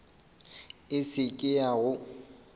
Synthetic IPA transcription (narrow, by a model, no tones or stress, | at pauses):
ɪsɪkʼɪaɣʊ